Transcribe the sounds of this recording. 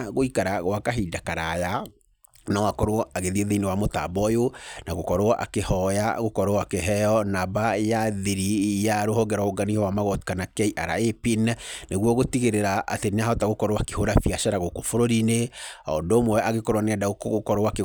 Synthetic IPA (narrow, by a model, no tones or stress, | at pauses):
ɣoikaɾaɣwakaɦidakaɾaja | nawakɔɾoɔaɣeðieðeinewamotabɔjonaɣokɔɾoʔa̰kehɔjaɣokɔɾowakeɦɛjɔnabajaðiɾijaɾohɔɡɛɾwaoɡanihɔwamaɣɔtkanakɛiʔaɾa̰epinneɣwɔɣotiɣeɾeɾaʔa̰tenaɦɔtaɣokɔɾoakehoɾafiaʃaɾaɣokofoɾoɾineɔ̰dɔːmwɛʔaɣekɔɾwaneadaokokɔɾowake